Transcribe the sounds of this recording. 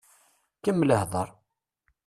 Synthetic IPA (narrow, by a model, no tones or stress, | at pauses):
kəmːləhðˤəɾˤ